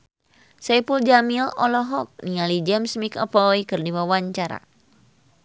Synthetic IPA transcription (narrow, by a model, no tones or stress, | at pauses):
sɛpuld͡ʒamilɔlɔɦɔk̚niŋalid͡ʒɛmsmikə̰pɔikɨrdiwawaɲt͡ʃaɾa̰